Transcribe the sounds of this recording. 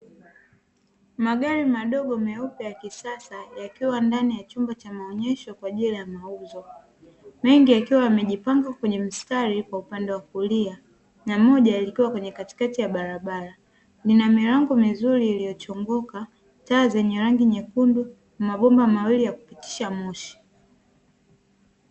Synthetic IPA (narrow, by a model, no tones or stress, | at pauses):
maɠaɾimaɗɔɠɔmɛupɛjakisasajakiwandanijat͡ʃumbat͡ʃamaɔɲɛʃɔkwaʄilajamauzɔ | mɛŋɡijakiwajamɛʄipaŋɡakwɛɲɛm̩staɾikwaupandɛwakulia | namɔʄajalikiwakwɛɲɛkati̥katijaɓaɾaɓaɾa | ninamiɾaŋɡɔmizuɾiːlijɔt͡ʃɔŋɡɔka | taːzɛɲɛɾaŋɡiɲɛkundu | nmaɓɔmbamawilijaku̥piti̥ʃamuʃi̥